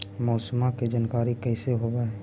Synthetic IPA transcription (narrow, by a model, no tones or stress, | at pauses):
mɔːsmaked͡ʒaːnkaːɾikɛɪseɦobeɦɛ